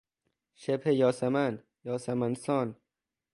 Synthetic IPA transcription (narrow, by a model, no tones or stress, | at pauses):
ʃebhejɒːsaman | jɒːsamansɔːn